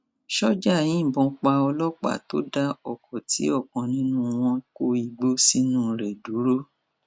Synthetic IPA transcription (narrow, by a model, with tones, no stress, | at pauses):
ʃɔ˦d͡ʒa˦˨jĩ˨˦˨bɔ̃˧k͡pa˧ɔ˧lɔ˦k͡pa̰˦˨to̰˨˦da˦ɔ˨kʰɔ˨tʰi˨˦ɔ˦˨kɔ̃˨nĩ˦nũ˦w̃ɔ̃˦ko˦i˧ɡ͡bo˦si˦nũ˦˨ɾe˨du˨˦ɾo˦